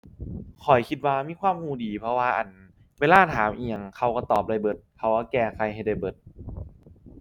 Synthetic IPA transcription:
kʰɔ˨˩jkʰi˧t̪̚waː˧miː˧˥˨kʰwaː˧˥˨mhuː˧˩diː˨˩pʰɾɔ˧waː˧ʔa̰˨˩n | weː˧laː˧˥˩t̪ʰaː˩˦mʔi˧˩əŋkʰa˧˩wka˧˩t̪ɔː˨˩p̚la˧˩jbɤ˧˦t̪̚kʰa˧˩wka˧˩kɛː˧˩kʰa˧jɦa˧˩jda˧˩jbɤ˨˦t̪̚

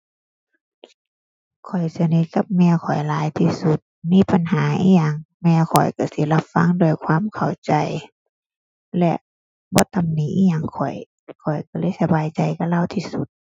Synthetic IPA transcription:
kʰɔ˨˩jsi˧ni˧˥ka˧˦p̚mɛː˧˨kʰɔ˨˩jlaː˨˦jt̪ʰiː˧su˧˦t̪̚miː˧˥˨pa˨nhaː˨˦ʔḭː˧˨ɲaː˧˨ŋmɛː˧kʰɔ̰˨˩jka˧˩si˧˦la˧p̚fa˧˥˨ŋdo˧ə˨jkʰwaː˧˥˨mkʰa˨˩wt͡ɕa˨˧j | lɛ̰˧ʔ | bɔː˧˦t̪a˧˦mniː˨˦ʔiː˧˥˨ɲa˧˨ŋkʰɔ˨˩j | kʰɔ˨˩jka˧˩lɤː˧˥˨jsa˧baː˨jt͡ɕa˨jka˧˩laː˧˨wt̪ʰiː˧su˧˦t̪̚

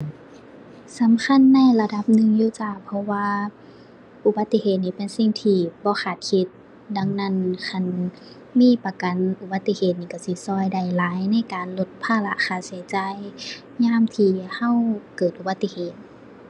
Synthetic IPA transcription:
sa˨˦mkʰa˧˥˨nːa˧˥˨jla˧da˧p̚nɯ˧ŋjuː˧t͡ɕaː˧˩pʰɔ˧waː˧ | ʔu˧˩ba˧t̪ːi˧heː˨˩t̪̚niː˧pe˨nsi˧˩ŋt̪ʰiː˧˩bɔː˧˦xʰaː˨˩t̪̚kʰi˧˦t̪̚ | da˧˥˨ŋna˧˥˨nkʰa˧˩˨n | miː˧˥˨pa˧ka˨nʔu˧ba˧˦t̪ːi˧heː˨t̪̚niː˧˩ka˧˩wsi˧˦sɔː˧˩˨jda˧˩jlaː˨˦jna˧˥˨jkaː˨nlo˧˦t̪̚pʰaː˧˩la̰˧ʔxaː˧˩si˨˦jt͡ɕa˧j | ɲaː˧˥˨mt̪ʰiː˧ha˧˥˨wkɤː˨˩t̪̚ʔu˧ba˧˦t̪ːi˧heː˨˩t̪̚

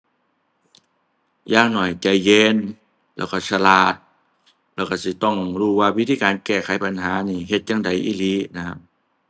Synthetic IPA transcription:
jaː˧˨ŋnɔ˨˩jt͡ɕa˧˩jːeː˧n | lɛː˧˩wka˧˩sa˧laː˨˩t̪̚ | lɛː˧˩wka˧˩si˧˦t̪ɔ˧˩ŋɾuː˧˩waː˧˨wi˦˥t̪ʰiː˧kaː˨˦nkɛː˧˩kʰa˨˦jpa˨nɦaː˨˦niː˧˩ɦe˧t̪̚jaː˧˨ŋda˨˩jʔḭː˧˩li˧˦na˧˩kʰa˧p̚

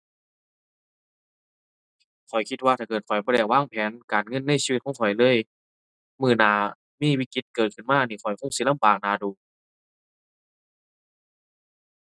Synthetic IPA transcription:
kʰɔ˨˩jkʰi˧t̪̚waː˧t̪ʰaː˧˩kɤː˨˩t̪̚kʰɔ˨˩jbɔː˧˨dɛː˧˩k̚waː˧˥˨ŋpʰɛː˨˦nkaː˨˩nŋɤ˧˥˨nːa˧˥˨jsiː˧i˧t̪̚kʰɔ˧˥˦ŋʰkʰɔ˨˩jlɤː˧˥˨j | mɯː˧˩naː˧˩ | miː˧˥˨wiː˧˥ki˧t̪̚kɤː˨˩t̪̚kʰɯ˧˩˨nmaː˧˥˩niː˧˩kʰɔ˨˩jkʰo˧˥˨ŋsi˧˦˨la˧˥˨mbaː˨˩k̚naː˨˧˩duː˨˩

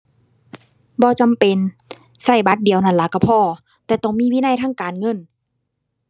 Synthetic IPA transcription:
bɔː˧˦t͡ɕa˨mpe˨n | sa˧˩jba˧˦t̪̚di˨əwna˧˩nla˧˦ka˧˩pʰɔː˧˨ | t̪ɛː˧˩t̪ɔ˧˩˨ŋmiː˧˥˨wiː˧˨na˧˥˨jt̪ʰaː˧˥˨ŋkaː˨nŋɤ˧˥˨n

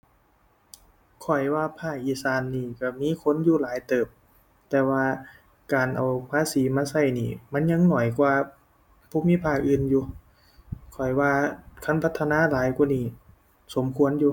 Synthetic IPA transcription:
kʰɔ˨˩jwaː˧pʰaː˧˩k̚ʔiː˧˩saː˧nːiː˧˩ka˧˩miː˧˥˨kʰo˧˥˨njuː˧laː˨˦jt̪ɤː˨˩p̚ | t̪ɛː˧˩waː˧ | kaː˨˩nʔa˨˩wpʰaː˧˥˨siː˨˦maː˧˥sa˧˩˨jniː˧˩ma˧˥˨nɲa˧˥ŋnɔ˨˩jkwaː˧ | pʰuː˧˥˦miː˧˥˨pʰaː˧˩k̚ʔɯː˧njuː˧ | kʰɔ˨˩jwaː˧kʰa˧˥˨npʰa˧˦t̪ʰːa˧naː˧˥˨laː˨˦jku˧˨niː˧˩ | so˨˦mkʰu˧˥ə˨njuː˧

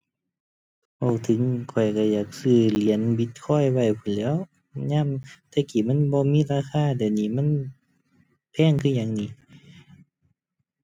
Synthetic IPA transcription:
bɔ˧˩wt̪ʰɯ˧˦ŋkʰɔ˨˩jka˧˩jaː˨˩k̚sɯː˧˩li˨˧˦ə˨nbi˧˦t̪̚kʰɔː˧˥˨jwa˧˩jpʰu˧˨nlɛː˧˨w | ɲaː˧˥˨mt̪ɛː˧˨kiː˨˩˨ma˧˥˨nbɔː˧˦miː˧˥˨laː˧˥˨kʰaː˧˥˨dɛ˨wniː˧˩˨ma˧˥˨n | pʰɛː˧˥˨ŋkʰɯ˧˨ɲaː˧˩ŋniː˧˩˨

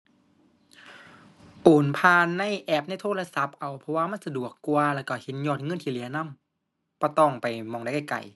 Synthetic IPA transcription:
ʔoː˨˩npʰaː˧nːa˧˥˨jʔɛː˧˩p̚na˧˨jt̪ʰoː˧˥˨la˧sa˧˦p̚ʔa˨˩wpʰɔ˧waː˧˨ma˧˥˨nsa˧du˨˩əkːu˧ɐlɛː˧˩wka˧˩he˨˦njɔː˧˩t̪̚ŋɤ˧˨nt̪ʰiː˧˨li˨˦ɐna˧˥˨m | kɔː˧˩t̪ɔː˧˩ŋpa˨jmɔː˧˩da˧˩jka˧˩jka̰˨˩j

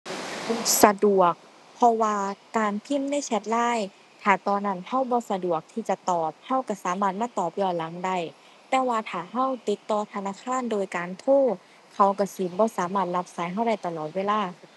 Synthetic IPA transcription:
sa˧du˨˩ək̚ | pʰɔ˧waː˧kaː˨npʰi˧˥˨mna˧˥˨jsɛ˧t̪̚laː˧˥˨j | t̪ʰaː˨˩t̪ɔː˧na˧˩˨nha˧˥˨wbɔː˧˦sa˧du˨˩ək̚t̪ʰiː˧t͡ɕa˧t̪ɔː˨˩p̚ha˧˥˩wka˧˩saː˨˦maː˧˩t̪̚maː˧˥˨t̪ɔː˨˩p̚jɔː˧˩la˨˦ŋda˧˩j | t̪ɛː˧˩waː˧t̪ʰaː˨˩ɦa˧˥˨wt̪i˧˦t̪ːɔː˧t̪ʰa˧naː˧˥˨kʰaː˧˥˨ndoː˧˨jkaː˨nt̪ʰoː˧˥˩ | kʰa˧˩wka˧˩sɯː˨˦nbɔː˧˦saː˨˦maː˧˩t̪̚la˧p̚saː˨˦jɦa˧˩˨wda˧˩jt̪a˧lɔː˨˩t̪̚weː˧˨laː˧˥˩

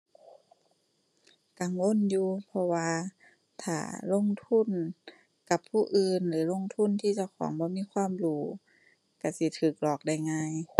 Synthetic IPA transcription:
ka˧˨ŋwo˧˥˨njuː˧pʰɔ˧waː˧ | t̪ʰa̰ː˨˩lo˧˥˨ŋt̪ʰu˧˥˨n | ka˧˦pʰːuː˧˩ʔɯː˧nlɯː˨˦lo˧˥˨ŋt̪ʰu˧˥˨nt̪ʰiː˧˩t͡ɕa˧˩wkʰɔ̰ː˨˦ŋbɔː˧˦miː˧˥˨kʰwaː˧˥˨mduː˧˩ | ka˧˩si˧˦t̪ʰɯː˨˩k̚lɔː˨˩k̚da˧˩jŋaː˧˨j

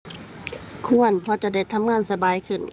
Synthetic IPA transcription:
kʰu˧˨ənpʰɔ˧˦t͡ɕa˧da˥˩jt̪ʰa˧˥mŋaː˧˥˨nsa˧baː˨˧˦jkʰɯ˧˩n

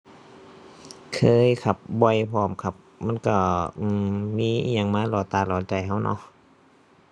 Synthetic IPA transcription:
kʰɤː˧˥˨jkʰa˧˩p̚bɔ˧˩˨jpʰɔː˧˩mkʰa˧p̚ma˧˥˨nka˧˩ʔɯː˧˩miː˧˥˨ʔɲa˧˩ŋmaː˧˥˨lɔː˧˩t̪aː˧˩˨lɔː˨˧˦nt͡ɕa˧˩jɦa˧˥˨wnʔɔ̰˧˦ʔ

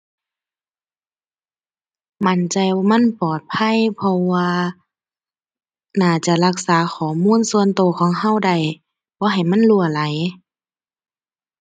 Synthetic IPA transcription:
ma˧˥˨nt͡ɕa˧jma˧˥˨npɔː˨˩t̪̚pʰa˧˥˨jpʰɔ˧waː˧ | naː˧˩t͡ɕa˧˦la˧k̚saː˨˦xɔː˨˩˦muː˧˥˨nsu˧ə˨nt̪oː˧˦xʰɔː˨˦ŋɦa˧˥˨wda˧˩j | bɔː˧˦ɦa˨˩jma˧˥˨nlu˧ɐla˨˦j

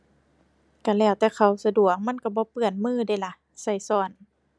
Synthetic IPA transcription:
ka˧˩lɛː˧˩wt̪ɛː˧˩kʰa˧˩wsa˧du˨˩ək̚ma˧˥˨nka˧˩bɔː˧˦pɯ˧˩ənmɯː˧˥˨da˧˩˨jla˧˩ | sa˧˩jsɔː˧˩n

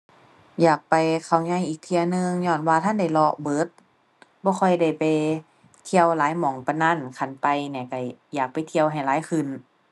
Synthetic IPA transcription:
jaː˨˩k̚pa˨jkʰa˧˩wɲa˧˩˨jʔiː˨˩k̚t̪ʰi˧ɐ˧nɯ˧ŋɲɔː˧˩˨nwaː˧t̪ʰa˧˥˨nda˧˩jlɔ˧bɤː˧˦t̪̚ | bɔː˧˦kʰɔ˧˩jda˧˩jpa˧j | t̪ʰi˧əwlaː˨˦jmɔː˨˩˦ŋpa˧naː˧˥˨nkʰa˧˩npa˧jniː˧˩ka˧˩jaː˨˩k̚pa˨jt̪ʰi˧ə˧wɦa˨˩jlaː˨˦jkʰɯ˧˩n

